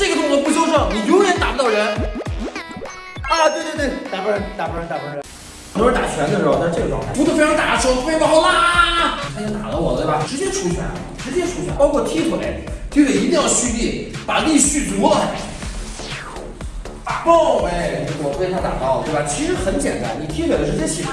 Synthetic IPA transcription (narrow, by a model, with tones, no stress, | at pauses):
ʈ͡ʂɤ˥˩ɡə˩t̪ʊ˥˩˥p̬u˥˩ɕ̬jo˥ʊʂɤ˥˩ŋni˨˩jo˧˥ɻɛ˧˥nt̪a˨˩pu˧t̪ɑ˥˩ʊɻə˧˥n | a˧˩t̪we˥˧ɪt̪wtwe˥˩ɪt̪a˨˩pɻə˧˥n˥t̪a˨˩pn˨˩p̪ | t̪a̰˨˩t͡ɕʰɥɛ˧˥nd̪ə˧ʂ̩˥˩ɔ˧˩a˧˥ʈ͡ʂɤ˥˩ɡə˩ʈ͡ʂwɑ˥˧ŋt̪ʰa˥˩u˧˥˧fʈ͡ʂʰɑ˧ŋt̪a˨˩˥ʂo˧˥ʊ˥pɑ˥˧ʊ˥la˥˩ | a˥ɛ˥t̪a̰˨˩lə˦wɔ˨˩t̪e˥˩bɐ˩ʈ͡ʂɻ̩˧˥t͡ɕjɛ˥ʈ͡ʂʰu˧˥t͡ɕʰɥɛ̰˧˥n˩ʈ͡ʂɻ̩˧˥t͡ɕjɛ˥ʈ͡ʂʰu˧˥t͡ɕʰɥɛ˧˥n˥pɑ˥ʊkʰwɔ˥˧t̪ʰi˥kʰu˨˩ḛ˧˥t̪i˥˩˥i˧˥t̪i˥˧ŋjɑ˥˩ʊɕy˥t̪i˥˩pa˨˩li˥˧ɕy˥˩t̪u˧˥˧ | t̪a̰˨˩pɑ˥˩e˥˩˨ɔ˨˩˥we˥˩ɪt̪ʰa˥t̪a̰˨˩pɑ˥˩ʊlət̪e˥˩ba˩t͡ɕʰi˧˥ʂɻ̩˧˥xə˧˥nt͡ɕjɛ̰˨˩nt̪a̰˧˥nni˨˩t̪ʰi˥kʰwe˨˩ɪə˦ʈ͡ʂɻ̩˧˥t͡ɕjɛ˥ɕi˨˩˥